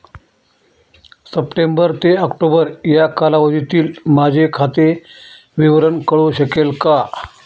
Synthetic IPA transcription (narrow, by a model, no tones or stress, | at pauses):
səpʈembəɾt̪eəkʈobəɾjakalaʋəd͡ʑit̪iːlmad͡ʑʱekʰat̪e | ʋiʋəɾəɳkəɭuɕəkelka